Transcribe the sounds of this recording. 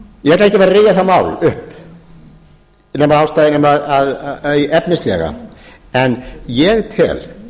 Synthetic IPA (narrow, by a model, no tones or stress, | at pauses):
jɛhɛɾt̪ɛhcɪvɛɾaɾrɪjaθamaːwlʏhp | nɛːmaðawst̪aðnɛmaðaðiʔɛpnɪst̪lɛ̰ɣa̰ | ɛnjɛɣt̪ʰɪ̰l